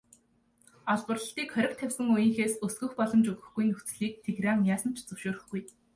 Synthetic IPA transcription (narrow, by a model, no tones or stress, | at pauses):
aɮpə̆rə̆ɬt̪iːkχœɾʲɪ̆k̚t̪ʰːæwʲsə̆ŋujĭŋxeːsɵsɡɵ̆xpɔɮɞ̆mt͡ɕɵɣɘ̆xɡujnɵxt͡sɮiːk̚t̪ʰeɣraŋjaːsə̆n̥t͡ɕʰt͡sɵwʃoːɾɘ̆xɡuj